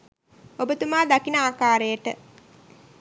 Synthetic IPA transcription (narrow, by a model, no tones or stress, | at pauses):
obət̪umaːd̪akinəaːkaːɾəjəʈə